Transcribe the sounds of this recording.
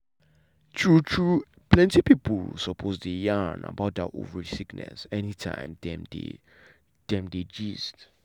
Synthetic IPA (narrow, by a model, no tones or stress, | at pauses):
tʰɹutʰɹu | pʰlɛ̃ntipiplsɔpʰozdejana̰baʊt̚də̰ʔo̰vəɹisiknɛ̰sɛnitʰã̰ɪ̃mdɛmdḛ | d̥ɛ̃mded͡ʒist